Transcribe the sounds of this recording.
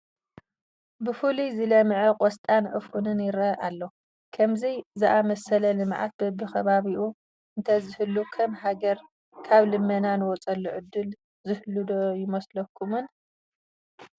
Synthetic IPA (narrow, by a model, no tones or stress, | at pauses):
bɨfulizɨlɐmʕɐkʼɔst̪ʼanʔɨfunɨnjɪɾɐʔalːo | kʰɐmzɐjzɨʔamɐsɐlɐlɨmʕa̰t̪̚bɐbɨxɐβaβiʔu | ʔɨnt̪ʰɐzɨhɨlːukʰɐmɦaɡɐɾ | kʰaβlɨmːɐnanɨwɔt͡sʼɐlːuʕɨd̪ːɨl | zɨhɨlːɨd̪ojɪmɐslɐkʰːumɨn